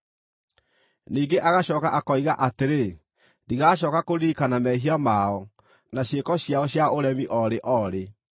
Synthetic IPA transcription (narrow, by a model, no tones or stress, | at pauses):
niːɡeʔaɣaɕɔːkaʔakɔiɣaʔateɾe | ndiɣaːɕɔːkakoɾiːkanamɛɦiamaɔ | naɕekɔɕjaɔɕjaoɾɛmiʔɔɾeʔɔɾe